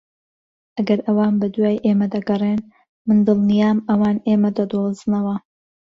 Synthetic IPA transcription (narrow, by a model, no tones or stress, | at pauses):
ʔɐɡɐɾʔɐwaːnbɐd̪uwaːjʔeːmɐd̪ɐɡɐrˤeːn | mɨnd̪ɨlˠnijaːmɐwaːnʔeːmɐd̪ɐd̪oːzɨnɐwɐ